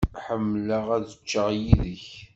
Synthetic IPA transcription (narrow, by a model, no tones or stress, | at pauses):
ħəmːləʁæðət͡ʃːəʁjiðəç